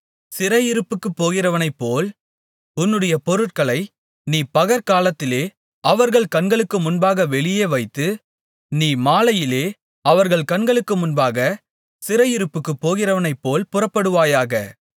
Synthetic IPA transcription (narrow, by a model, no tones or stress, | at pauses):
sɪɾɐjɪɾɯpːɯkːɯpːoːɣɪrɐʋɐnɐɪpːoːl | ʊnːɯɽɐjɐpɔɾɯʈ̚kɐɭɐɪ | niːpɐɣɐɾkaːlɐt̪ːɪleː | ɐʋɐɾɣɐɭkɐnɡɐɭɯkːɯmʊnbaːɣɐʋɛɭɪjeːʋɐɪt̪ːɯ | niːmaːlɐjɪleː | ɐʋɐɾɣɐɭkɐnɡɐɭɯkːɯmʊnbaːɣɐ | sɪɾɐjɪɾɯpːɯkːɯpːoːɣɪrɐʋɐnɐɪpːoːlpʊrɐpːɐɽɯʋaːjaːɣɐ̰